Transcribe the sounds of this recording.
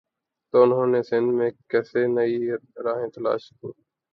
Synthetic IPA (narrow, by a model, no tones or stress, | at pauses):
t̪oːʊnɦõːneːsɪnd̪mẽːkɛːseːnəiːɾaːɦẽːt̪əla̰ːʃkuː